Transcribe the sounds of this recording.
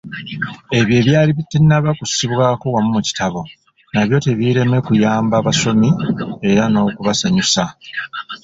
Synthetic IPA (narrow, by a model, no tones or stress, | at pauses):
e̞βje̞ːβjaːliβitːennaβakusiβwaːko̞wamumuci̥taβo̞ | naβjo̞ːteβiɾe̞mekujaːmbaːβaso̞mie̞ɾano̞ːkuβasaɲusa